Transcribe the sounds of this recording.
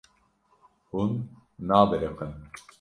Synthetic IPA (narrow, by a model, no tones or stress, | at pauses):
hunːaːbeɾeqən